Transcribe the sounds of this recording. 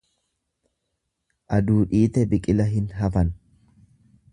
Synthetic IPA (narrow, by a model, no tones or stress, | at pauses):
ʔɐd̪uːᶑiːt̪ɛbɪkʼɪlɐɦɪnɦɐfɐn